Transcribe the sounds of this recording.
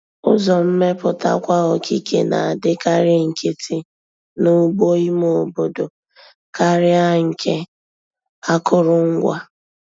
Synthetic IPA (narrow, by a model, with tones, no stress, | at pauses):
ʊ̰˦zɔ˨m̩˦me˦pʊ˨ta̰˦kʷa˦ɣɔ˨kʰi˦kʰe˨na̰˨a˨dɪ˦ka˦ɾɪ˦ŋ̩˨ke˦tʰi˦ | nʊ˦ɡ͡bo˦i˦mo˨o˨bo˨do˨ | ka˦ɾɪ˦a˦ŋ̩˨kʰe˦ | a˦kʊ˦ɾʊ˦ŋ̩˦ɡʷa˦